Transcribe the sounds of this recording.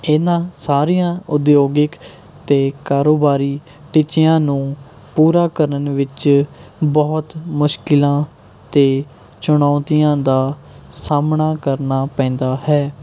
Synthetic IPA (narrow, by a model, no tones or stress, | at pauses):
ɪnãːsaːɾijãːʊd̪joːɡɪk | t̪eːkaːɾoːbaːɾiː | ʈɪt͡ʃɪjãːnũː | puːɾaːkəɾənʋɪt͡ʃ | bɔːt̪mʊʃkɪlãː | t̪eː | t͡ʃʊɳaːt̪ijãːd̪aː | saːmɳaːkəɾnaːpɛ̃ːnd̪aːhɛː